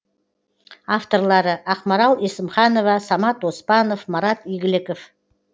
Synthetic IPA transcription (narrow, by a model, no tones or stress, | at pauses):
aft̪o̞rlˠɑɾəʔɑqmɑɾɑlˠesəmχɑno̞vɑsɑmɑt̪wospɑno̞fmɑɾɑt̪ijɡʲɪlɪkof